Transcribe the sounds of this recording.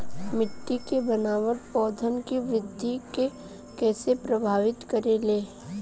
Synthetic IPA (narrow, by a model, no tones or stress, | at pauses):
mɪʈːikebənaːʋəʈpɔːd̪ʱənkiʋɾɪd̪ʱːike | kɛːsepɾɐbʱaːʋɪt̪kɐɾeleː